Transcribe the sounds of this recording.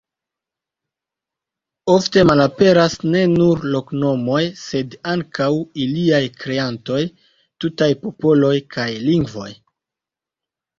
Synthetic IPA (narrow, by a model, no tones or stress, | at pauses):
o̞fte̞malape̞ɾasne̞nuɾlo̞kno̞mo̞jse̞daŋkawiliajkɾe̞anto̞j | tutajpo̞po̞lo̞jkʰajliŋɡvo̞̰j